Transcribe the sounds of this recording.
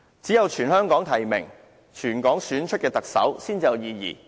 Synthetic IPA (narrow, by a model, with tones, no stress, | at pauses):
t͡siː˨˥jɐ˨˧wt͡ʃʰyː˨˩nhœː˥ŋkɔː˨˥ŋt̪ʰɐ˨˩jmɪ̰˨˩ŋ | t͡ʃʰyː˨˩nkɔː˨˥ŋsyː˨˥nt͡ʃʰɵ˥t̚kɛː˧t̪ɐ˨k̚sɐ̰˨˥wsiː˥nt͡siː˧jɐ˨˧wjiː˨˧jḭː˨˩